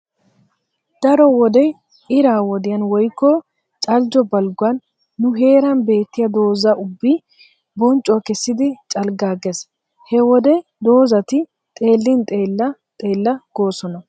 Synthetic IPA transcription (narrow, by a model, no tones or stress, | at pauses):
d̪̥ɐɾɔwɔd̪ɛj | ɪɾaːwɔd̪ɪjɐnwɔjkːɔ | t͡ʃʼɐld͡ʒɔbɐlɡʊɐnː | ʊɦe̞ːɾɐnbe̞ːt̪ːɪjɐd̪o̞ːzɐʔʊbːi | bɔnt͡ʃʼʊɐkɛsːɪd̪ɪt͡ʃʼɐlɡaːɡɛs | hɛwɔd̪ɛd̪o̞ːzɐt̪ɪ | t̪ʼe̞ːlːɪnt̪ʼe̞ːlːɐ | t̪ʼe̞ːlːɐɡ̥o̞ːsɔnɐ